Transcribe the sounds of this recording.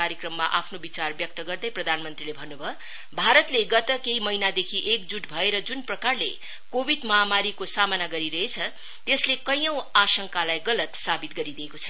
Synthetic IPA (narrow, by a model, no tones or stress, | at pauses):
aɾjʌkrʌmːaʔapʰnobit͡sarbjʌk̚t̪ʌɡʌrd̪ʌjprʌd̪ʱanmʌnt̪rilebʱʌnːubʱʌ | bʱaɾʌt̪leɡʌt̪ʌkeimʌinad̪ekʰiʔek̚d͡zuʈbʱʌeɾʌd͡zunprʌkarle | kobʱid̪mʌɦamaɾikosamʌnaɡʌɾiɾʌɦet͡sʰʌ | t̪eslekʌjʌ̃w̃asʌŋkalajɡʌlʌt̪sabit̪̚ɡʌɾid̪iekot͡sʰʌ̥